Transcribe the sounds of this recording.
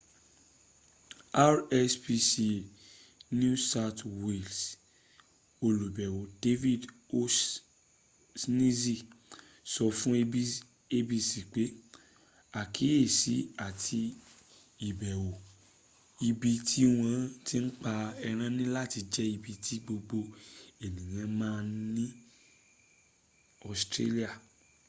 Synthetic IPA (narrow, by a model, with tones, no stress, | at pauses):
a˦ɾɛ˦spi˧si˨ | n˦ũ˦sa˧twe˨ls | o˧lo˨bɛ˨wo˨de˦vi˦˨do˦ | snĩ˦zi˦˨ | sɔ˧fũ˦ | e˧bi˧si˨k͡pe˨˦ | a˦˨kʰi˨˦e˦˨si˨˦a˦˨tʰi˧ | i˨bɛ˨wo˨ | i˧bi˧tʰi˦w̃ã˦˧ti˦n̩˦k͡pa˧ɛ˧ɾ̃ã˧nĩ˦la˦˨ti˧d͡ʒɛ˦i˧bi˧tʰi˦ɡ͡bo˧ɡ͡bo˧e˨nĩ˨j̃ã˧mãː˦˧nĩ˦ | ɔ˦˨stɾe˦li˦a˦˨